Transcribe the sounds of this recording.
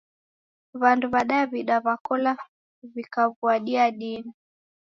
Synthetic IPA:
βanduβaɗaɛβiɗaβakɔla | βikaβuaɗiaɗina

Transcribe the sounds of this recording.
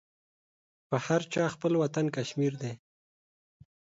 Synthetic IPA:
pəhaɾt͡ʃɑxpəlwat̪ankaʃmiɾd̪e

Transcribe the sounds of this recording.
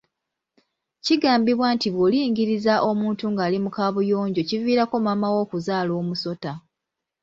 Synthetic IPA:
ciɡaːmbiβwantiβwoliːŋɡiɾizaʔo̞muːntuŋɡaːlimukaːβujo̞ːɲɟo̞civiːɾako̞mamawo̞ːkuzaːlo̞ːmuso̞ta

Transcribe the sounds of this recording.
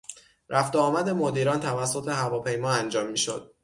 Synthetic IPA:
ɾʔæft̪eɒːmæd̪e̞mod̪iːɾɒːnt̪ʰævæsːot̪ʰe̞ɦævɒːpʰe̞jmɒːænd͡ʒɒːmːiːʃo̰d̪̥̚

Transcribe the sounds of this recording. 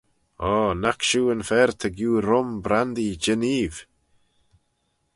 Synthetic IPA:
ɔːnakʃuːənfɛɾt̪ʰəɡjuːɾʊmbɾand̪id͡ʒɪniːv̥

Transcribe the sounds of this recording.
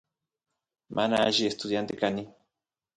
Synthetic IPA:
mʔanaaʒiest̪uðjant̪ekani

